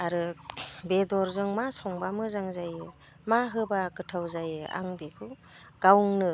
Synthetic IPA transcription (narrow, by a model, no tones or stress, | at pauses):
aɾɯbedɔɾzɯŋmasɔŋbamɯzaŋzajɯ | maɦɯbakɯtʰawzajɯa̰ŋbekʰɯ | ɡ̥awŋnɯ